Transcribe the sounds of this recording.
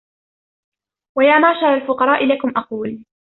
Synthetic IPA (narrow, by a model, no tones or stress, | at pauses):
wajaːmaʕʃɑɾˤɑlfʊqɑɾˤɑːʔɪlakʊmʔɑquːl